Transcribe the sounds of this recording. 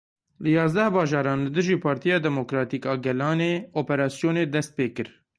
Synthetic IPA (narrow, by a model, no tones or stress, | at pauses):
lɨjɑːzd̪ɛhbɑːʒɑːɾɑːnlɨd̪ɨʒiːpʰɑːɾt̪ijɑːd̪ɛmokɾɑːt̪iːkɑːɡɛlɑːneːoːpɛɾɑːsijoːneːd̪ɛst̪̚peːkɨɾ